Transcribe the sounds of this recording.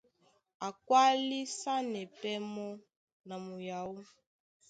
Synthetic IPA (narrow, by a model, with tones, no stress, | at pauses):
a˨kwa˦li˦sa˦nɛ˨pɛ˦mɔ˦ | na˨mu˨ja˨wu˦